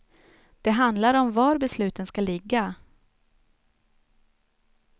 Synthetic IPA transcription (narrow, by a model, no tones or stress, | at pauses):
d̪̥ɛɦand̪laɾɔmvaɾbɛslʉ̟ːt̪ənskalɪɡːa